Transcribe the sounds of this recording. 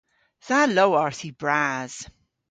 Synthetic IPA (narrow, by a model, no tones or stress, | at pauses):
ð̥alowaɹθibɹaz̥